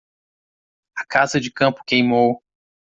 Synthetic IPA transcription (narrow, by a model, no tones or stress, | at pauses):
ɐkazɐd͡ʒɪkɐ̃pʊ̥kejmow